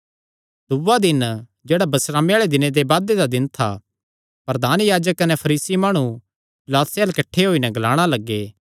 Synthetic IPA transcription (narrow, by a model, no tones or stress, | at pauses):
d̪ʊʋad̪ɪn | d͡ʒeːɽabɐsɾaːmeaːɭed̪ɪnẽd̪ebaːd̪ed̪ad̪ɪnt̪ʰa̰ | pɐɾəd̪aːnjaːd͡ʒəkːɐnɛpʰɐɾiːsimaːɽ̃ũ | pɪlaːt̪seəlkɐʈʰːeɦoːinɛ̃ɡɐlaːɽ̃alɐɡːeː